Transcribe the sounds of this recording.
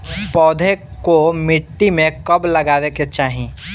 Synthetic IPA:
pɔːd̪ʱekomɪʈːimẽkɐblɐɡaːweket͡ʃaːɦi

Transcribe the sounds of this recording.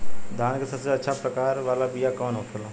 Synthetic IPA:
d̪ʱaːnkesɐseɐtːʃʰapɾəkaːɾʋaːlabijakɔːnoːkʰəlaː

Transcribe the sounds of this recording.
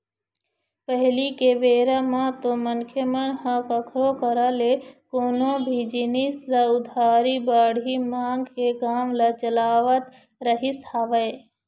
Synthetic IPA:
pəɦlikeʋeːɾamãt̪omənkʰjəmənɦãkəkʰɾokəɾalekoːnobʱid͡ʒinislaʊd̪ʱaːɾibaːɽʱimãːŋɡkekaːmlat͡ʃəlaːʋət̪ | ɾəɦishaːʋəe

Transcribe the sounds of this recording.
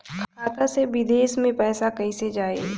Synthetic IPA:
kʰkʰaːt̪asebɪd̪eːsmẽpɛːsakɐised͡ʒaːeː

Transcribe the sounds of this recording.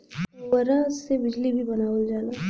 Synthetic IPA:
əɾasebɪd͡ʒlibʱibɐnaːəld͡ʒaːla

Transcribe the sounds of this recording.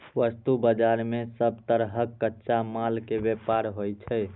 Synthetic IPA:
ʋəst̪ubəd͡ʒaɾmesəb̚t̪əɾɦəkːətːʃamalkebjepaɾɦojt͡ʃʰəj

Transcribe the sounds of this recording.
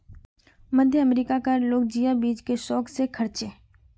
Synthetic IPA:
məd̪ʱjəəmɾiːkakəɾloːk̚d͡ʒijabiːd͡ʒkeʃɔːksekʰəɾt͡ʃeː

